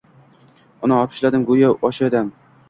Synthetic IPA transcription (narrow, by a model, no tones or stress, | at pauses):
ʊnɪɒpʰɪ̥ʃlad̪ɪmɡʊjaɒʃad̪am